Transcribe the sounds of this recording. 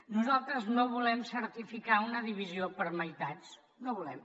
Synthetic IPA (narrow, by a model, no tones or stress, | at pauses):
nuzalˠt̪ɾəznoβulɛmsəɾt̪ifikaunəðiβiziopəɾməjt̪at͡s | noβulɛm